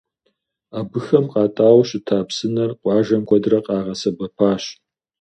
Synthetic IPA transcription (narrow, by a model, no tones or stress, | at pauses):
aːbɨxɐmqʼɑːtʼaːwɕɪtʰaːpsɨnɐrqʷɑːʒɐmkʷʰɔdrɐqʼɑːʁɐsɐbɐpʰaːɕ